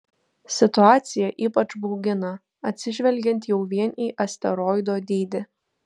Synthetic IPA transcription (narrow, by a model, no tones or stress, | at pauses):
sʲɪt̪ʊɑːt̪sʲɪjɛʔiːpɐt͡ʃbɔʊɡʲɪnɐ | ɐt̪ʲsʲɪʒʲʋʲɛlʲɡʲɛnt̪jɛʊʋʲiɛniːʔɐsʲt̪ʲɛɾɔːɪd̪oːd̪ʲiːd̪ʲɪ